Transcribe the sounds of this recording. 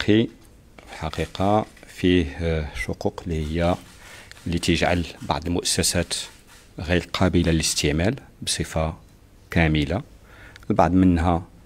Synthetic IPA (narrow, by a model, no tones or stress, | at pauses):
qʰi | fəlħɑqiqɑfihʃʊquqlːihəjːæ | lːit̪əʒʕa̰lbɑ̰ʕd̪əlmʊʔəsːæsæt̪ | ɣiɾlqʰɑbəlalələst̪əʕmæl | bsˤəfa | kæməla | lba̰ʕd̪mənhæ